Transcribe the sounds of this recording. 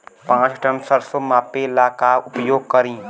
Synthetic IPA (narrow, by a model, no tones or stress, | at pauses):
pãt͡ʃʈənsəɾsomapelakaupəjoɡ̚kəɾĩ